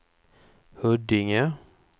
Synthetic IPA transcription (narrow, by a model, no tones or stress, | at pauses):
hœɖɪŋə